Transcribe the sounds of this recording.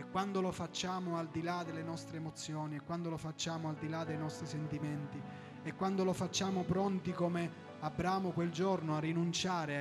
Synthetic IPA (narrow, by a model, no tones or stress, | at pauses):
ekːwand̪olofat͡ʃːaːmʊald̪ilad̪elːenɔst̪ɾeːmot̪sːjɔːniekːwand̪olofat͡ʃːaːmoald̪ilad̪ejnɔst̪ɾisent̪iment̪i | ekːwand̪olofat͡ʃːaːmopɾɔnt̪ikome | abːɾaːmʊkweld͡ʒornoarːinunt͡ʃaːɾe